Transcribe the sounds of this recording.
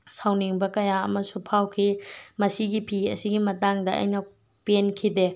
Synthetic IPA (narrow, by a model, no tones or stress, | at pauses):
sawniŋbɐkɐjaɐ̰mɐsupʰawkʰimɐsiɡipʰiɐ̰siɡimɐtaŋdɐɐ̰jnɐ | penkʰide